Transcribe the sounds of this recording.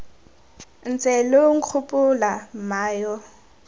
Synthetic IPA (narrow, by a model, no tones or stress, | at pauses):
n̩t͡sʼɛloŋ̩q͡χʰʊpʼʊlamaːjɔ